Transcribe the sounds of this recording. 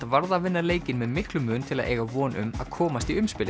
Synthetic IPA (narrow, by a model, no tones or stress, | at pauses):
t̪avaɾðavɪnːaleːjcɪnmɛðmɪhklʏmʏːnt̪ʰɪla̰ðʔeːjɣavɔːnʔʏ̰ma̰ðkʰɔːmast̪iʏmspɪlɪ